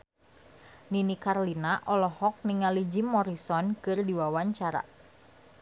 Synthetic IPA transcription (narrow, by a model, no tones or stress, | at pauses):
ninikarlinaʔɔlɔhɔk̚niŋalid͡ʒimɔɾisɔnkɨrdiwawaɲt͡ʃaɾa̰